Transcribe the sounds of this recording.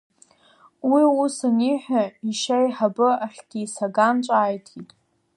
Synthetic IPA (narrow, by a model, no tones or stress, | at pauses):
wiusaniħʷᶣaiʃajħabɨaħʲʷᶣɡʲiːsaɡant͡ʃʷʼaːjtʰitʼ